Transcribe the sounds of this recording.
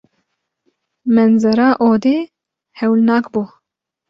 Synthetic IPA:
mɛnzɐɾaːʔoːd̪eː | hɛwlnaːkbo

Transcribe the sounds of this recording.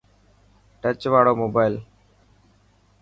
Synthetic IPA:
ʈət͡ʃʋaːɽoːmoːbaːɪl

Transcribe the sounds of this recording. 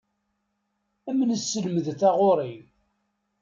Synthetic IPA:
æmːənəsːəlməðθæʁoɾˤim

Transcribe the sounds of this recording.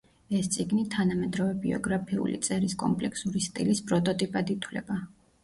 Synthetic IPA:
ɛst̪sʼiɡnit̪ʰanamɛd̪ɾɔvɛbiɔ̰ɡɾapʰiṵlḭt̪sʼɛɾiskʼɔ̰mpʼlɛkʰsuɾist̪ʼḭlispʼɾɔt̪ʼɔt̪ʼipʼad̪it̪ʰwlɛ̰ba

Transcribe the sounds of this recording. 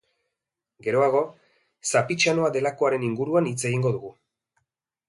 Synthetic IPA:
ɡe̞ɾo̞aɣ̞o̞ | sapit͡ʃano̞ade̞lako̞aɾe̞niŋɡuɾuanit͡se̞ɣiŋɡo̞ðuɣu

